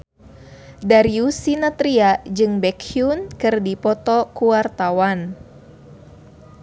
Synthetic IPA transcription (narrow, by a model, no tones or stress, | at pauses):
daɾiusinat̪ɾiad͡ʒɨŋbɛkʰiunkɨrdipɔt̪ɔkuart̪awan